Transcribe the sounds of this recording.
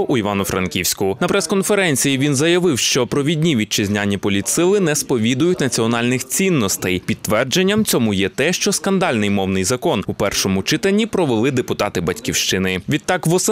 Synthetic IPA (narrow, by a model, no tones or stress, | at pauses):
ʔʊiʋɑnʊfɾɐ̰nkʲiwsʲkʊʊnɐpɾɛskɔnfeɾɛnʲt͡sʲijiʋʲinzɐjɐʋɪwʃt͡ʃɔpɾɔʋʲidʲnʲiʋʲit͡ʃɪzʲnʲanʲːipɔlʲit̪sɪlˠɪnɛspɔʋʲid̪ʊjʊtʲnɐt͡sʲiɔnɑlʲnɪxt͡sʲinːɔst̪ɛjpʲid̪ːʋɛrd͡ʒenʲːɐmt͡sʲɔmʊjɛt̪ɛʃt͡ʃɔskɐnd̪ɑlʲnɪjmɔwnɪjzɐkɔnupɛrʃɔmʊt͡ʃɪt̪eɐlʲnʲːipɾɔʋelˠɪd̪epʊt̪ɑt̪ɪbɐtʲkʲiwʃt͡ʃɪnɪʋʲid̪t̪ːɑkʋɔs